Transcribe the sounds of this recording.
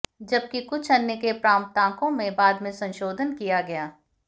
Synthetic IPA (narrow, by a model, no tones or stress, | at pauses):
d͡ʒɐb̚kikʊt͡ʃʰɐnːekepɾãːmt̪ãːkõmẽbaːd̪mẽsɐ̃nʃoːd̪ʱənkijaɡɐjaː